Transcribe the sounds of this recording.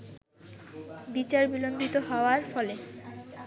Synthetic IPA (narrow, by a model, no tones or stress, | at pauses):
bit͡ɕaɾbilond̪it̪oɦɔoaɾfɔle